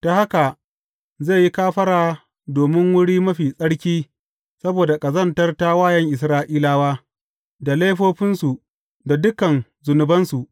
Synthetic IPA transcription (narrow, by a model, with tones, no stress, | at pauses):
ta˨ha˦ka˨ | zeː˦˨ji˦kaː˦ɸɐ˦ɽaː˨ | doː˨mɪ˦ŋwʊ˦ɽiː˦mɐ˦ɸiː˨sʼɐ˦ɽkʲiː˦ | sɐ˦boː˨da˨kʼɐ˨zɐ˦˨ntɐ˦rta˦waː˦˨jɐ˦ŋʔɪ˨s̬ɾaː˦ʔiː˦laː˦waː˦ | da˨leː˦ɸoː˦ɸɪ˦nsu˨ | da˨dʊ˦kɐ˨n | zʊ˨nʊ˨bɐ˦nsu˨ʔ